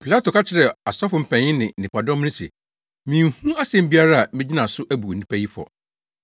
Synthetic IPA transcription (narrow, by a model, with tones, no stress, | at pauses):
pʰi˨la˦to˨kʰa˦t͡ɕʰɪ˨ɾɛ˨a˨sɔ˦fʊ˨m̩˨pʰɛ̃˨ɪ̃˦nɪ̃˨nɪ̃˨pa˨dɔ̃˦m˦nɪ̃˦sɛ̰˨ | mĩː˨ŋ˦˨hũ˦a˦sɛ̃˨m̩˦bi˦a˦ɾa˦a˨mɪ̃˦d͡ʑi˦nã˨sʊ˦ʔæ˦bu˨nĩ˦pʰæ˦ji˦fɔ̰˨